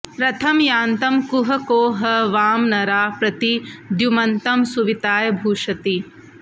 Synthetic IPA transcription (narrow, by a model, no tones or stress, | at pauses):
pɾɐt̪ʰɐmjaːnt̪ɐmkuɦɐkoːɦɐʋaːmnɐɾaːpɾɐt̪id̪jumɐnt̪ɐmsuʋit̪aːjɐbʱuːʂɐt̪i